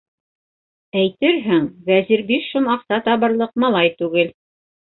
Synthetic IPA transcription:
æjt̪ɘɾɦɘŋvæziɾbiʃʃunɑqsɑt̪ɑβɤ̆ɾlˠɤqmɑlˠɑjt̪ʉɡɘl

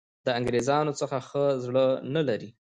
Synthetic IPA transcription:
d̪əaŋɡɾezɑnot͡səxaxəzɽənalaɾi

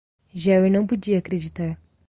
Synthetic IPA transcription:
ʒɛwinɐ̃w̃pud͡ʒiɐːkɾed͡ʒit̪aɾ

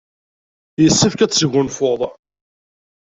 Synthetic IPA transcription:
jəsːəfkæt͡sːʝʊnfoðˤ

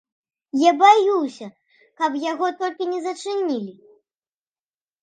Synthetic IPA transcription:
jabajuwsʲɐ | kɐpjaɣɔt̪ɔlʲkʲinʲɛzɐt͡ʂɨnʲilʲi

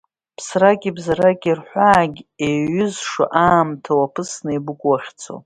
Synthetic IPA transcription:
pʰsraɡʲibzaɾaɡʲʼirħʷaːɡʲeɥʏzʂa̰ʔaːmtʰawapʰɨsnɨibɨkʷʼwaχʲt͡sʰo̰

